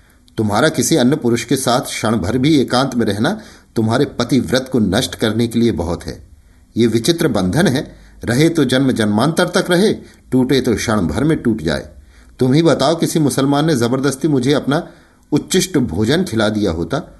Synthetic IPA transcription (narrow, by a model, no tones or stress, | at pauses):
t̪ʊmɦaːɾakɪsiɐnjəpʊɾʊʃkesaːt̪ʰʃɐɽ̃bʱəɾbʱieːkãːnt̪mẽɾɛɦnat̪ʊmɦaːɾepɐt̪iʋɾɪt̪̚ʰkonɐʃʈkɐɾnekeliebɐɦʊt̪ɦɛ̰ː | jeʋɪt͡ʃɪt̪ɾəbɐ̃nd̪ʱənɦɛː | ɾɐɦet̪od͡ʒɐnmd͡ʒɐnmaːnt̪əɾt̪ɐkɾɐɦe | ʈuːʈet̪oʃɐɽ̃bʱɐɾmẽʈuːʈd͡ʒa̰ːḛː | t̪ʊmɦibɐt̪aːokɪsimʊsəlmaːnːezɐbəɾd̪əst̪imʊd͡ʒʱeɐpna | ʊtːʃɪʃʈbʱoːd͡ʒənkʰɪlad̪ijaɦo̰ːt̪aː